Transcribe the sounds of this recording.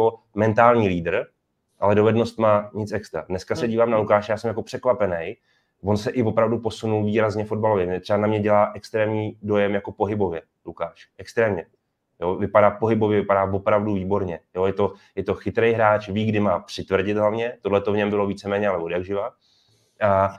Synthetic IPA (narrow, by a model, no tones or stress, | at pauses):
o | mɛnt̪aːlɲiːliːdr̩ | ʔalɛdo̞vɛdno̞st̪maːɲɪt͡sɛkst̪ɾa̰dnɛskasɛɟiːvaːmnalukaːʃjaːsɛmjako̞pr̥ɛkvapɛnɛj | vo̞nsɛʔɪvo̞pɾavdupo̞sunulviːɾazɲɛfo̞dbalo̞vjɛmɛt̪r̥ɛbanamɲɛɟɛlaːʔɛkst̪ɾɛːmɲiːdo̞jɛmjako̞po̞ɦɪbo̞vjɛ | lukaːʃʔɛkst̪ɾɛːmɲɛ | jovɪpadaːpo̞ɦɪbo̞vjɛvɪpadaːvo̞pɾavduviːbo̞ɾɲɛjo̞jɛt̪o̞jɛt̪o̞xɪt̪ɾɛjɦɾaːt͡ʃviːɡdɪmaːpr̝̥ɪt̪vrɟɪt̪ɦlavɲɛt̪odlɛt̪o̞vɲɛmbɪlo̞viːt͡sɛmɛːɲɛalɛvodjaɡʒɪva | ʔa